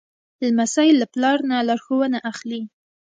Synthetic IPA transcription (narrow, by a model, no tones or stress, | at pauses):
lamasɑjɪlːaplɑɾnalɑɾxowənaʔaxli